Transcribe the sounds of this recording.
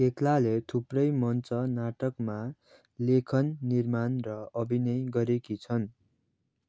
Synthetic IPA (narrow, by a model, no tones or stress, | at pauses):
keklalet̪ʰuprʌjmʌnt͡sʌnaʈʌkma | lekʰʌnːirmanrʌʌbʱinʌjɡʌɾekit͡sʰʌn